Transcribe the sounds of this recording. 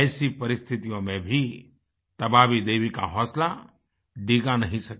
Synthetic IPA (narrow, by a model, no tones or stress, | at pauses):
sipɐɾɪst̪ʰɪt̪ijõmẽbʱi | t̪ɐbaːʋid̪eːʋika̰ɦɔːsla | ɖiːɡanɐɦĩsɐk